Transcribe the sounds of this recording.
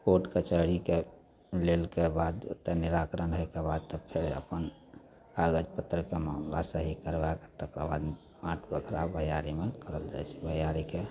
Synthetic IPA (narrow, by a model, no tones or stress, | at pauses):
poʈket͡ʃəɽike | lelkebad̪t̪ːeniɾakɾənɦojkebad̪̚t̪ɔpʰeɾə̰pən | kaɡəd͡ʒpət̪ɾəkemamlasəɦikəɾbaket̪əkɾəba̰d̪ | ãʈʰbəkʰɾabəɦjaɾimekəɾəld͡ʒa̰jt͡ʃʰɛ̥bəɦjaɾike